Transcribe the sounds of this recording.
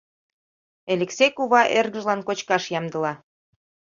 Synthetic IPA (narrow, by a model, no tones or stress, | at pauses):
elʲeksejkuβɑʔerɣəʒlɑnkot͡ɕkɑʃjɑmd̪ə̆lɑ